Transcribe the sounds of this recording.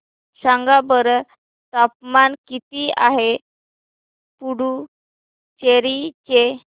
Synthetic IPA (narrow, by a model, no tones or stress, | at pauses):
sãŋɡabəɾ | t̪apmankit̪iaɦe | puɽu | t͡ɕeɾit͡ɕe